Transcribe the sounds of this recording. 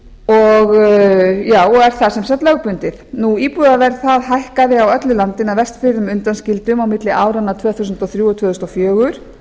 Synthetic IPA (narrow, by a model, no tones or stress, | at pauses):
ɔɣ | jaːwɛɾ̥θasɛmsɛt̪lœɣpʏnt̪ɪθnuiːpuðaðɛɾθaðɦajhkaðɪawœt̪lʏlant̪ɪnavɛr̥st̪fɪɾðʏmʏnt̪anscɪlt̪ʏmawmɪt̪lɪʔaːwɾanːat̪ʰvœːθusʏnt̪ɔθɾjuːɔt̪ʰvœːθust̪ɔfjœːɣʏɾ̥